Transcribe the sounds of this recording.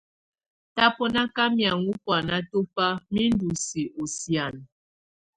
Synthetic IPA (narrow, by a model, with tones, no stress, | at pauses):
ta˦pɔ˦na˦ka˦mja˨ŋu˦pwa˨na˦to˦pa˦mi˦n˦du˨si˨ʔo˨sja˨n